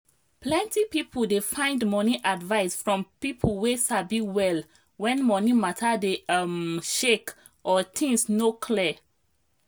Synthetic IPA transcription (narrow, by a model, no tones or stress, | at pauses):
plɛ̃ntipipəldefãɪ̃ndmɔniʔadvaɪsfɹɔ̃mpipʰəlwesabiwɛl | wɛ̃nmɔnimatʰadeaʃek | ʔɔt̪ʰĩŋsnokʰlɛ